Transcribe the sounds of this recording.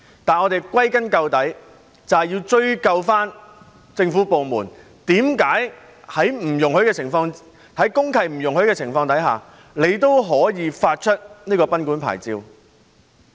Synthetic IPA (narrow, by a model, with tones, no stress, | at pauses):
t̪aː˨nɔ˨˧t̪e˨jkwɐ˥jkɐ˥nkɐ˧wt̪ɐ˨˥j | t͡sɐ˨jiː˧wt͡ʃɵ˧ɥkɐ˧wfaː˥n | t͡sɪ˧ŋfuː˨˥po˨wmuː˨˩n | t̪iː˨˥mkaː˨˥j | hɐ˨˥jm̩˨˩jʊ˨˩ŋhɵ˨˧˥ɥkɛː˧t͡sʰɪ˨˩ŋfɔː˧ŋ | t̪ɐ˨˥jkʊ˥ŋkʰɐ˨˩jm̩˨˩jʊ˨˩ŋhɵ˨˥ɥkɛː˧t͡sʰɪ˨˩ŋfɔː˧ŋt̪ɐ˨˥jɦaː˨˩ | le˨˧jt̪̬o˥wɦɔː˨˥jiː˨˧faː˧t̚t͡ʃʰɵ˥t̚niː˥kɔː˧pɐ˥nkuː˨˥npʰa̰ː˨˩jt͡siː˧w